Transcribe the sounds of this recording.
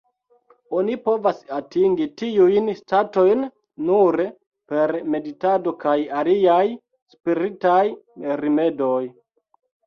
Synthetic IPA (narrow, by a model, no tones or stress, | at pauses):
o̞nipo̞vasatiŋɡitiujnstato̞jnː | uɾ | pe̞ɾme̞ditado̞kajaliaj | spiɾitajɾime̞do̞j